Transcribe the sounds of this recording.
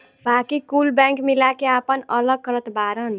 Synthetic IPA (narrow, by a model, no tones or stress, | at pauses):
bakikulbaŋkmilakeapʌnʌlʌɡ̚kɾʌt̪baɾʌn